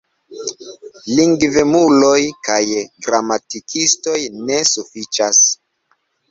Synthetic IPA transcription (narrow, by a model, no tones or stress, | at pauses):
liŋɡvemulo̞jkajɡɾamatikʰisto̞jne̞sufit͡ʃas